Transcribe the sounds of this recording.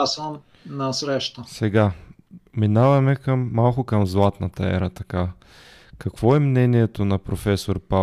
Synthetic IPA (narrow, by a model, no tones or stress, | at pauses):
səm | nɐsɾɛʃt̪əsɛɡa | minavɐmɛkɐmːalˠkʊkɐmzlˠat̪nɐt̪ɐɛ̰ɾɐt̪ɐka | kɐkv̥ɔɛmnɛniɛt̪onɐpɾofɛsoɾpa